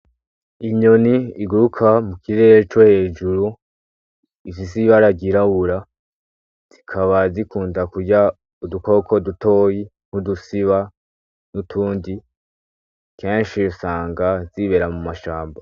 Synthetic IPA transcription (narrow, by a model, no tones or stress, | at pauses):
iɲo̞niːɡuɾukʰamukiɾeːɾet͡ʃohe̞ːd͡ʒuɾu | ifisiβaɾaɟiɾawuɾa | z̥ikʰaβazikuːndakuɟa | uduko̞kʰo̞dutʰo̞ːji | ŋ̥hudusiβa | nutʰuːndi | ke̞ːnʃiosaːŋɡaziβe̞ɾamumaʃaːmba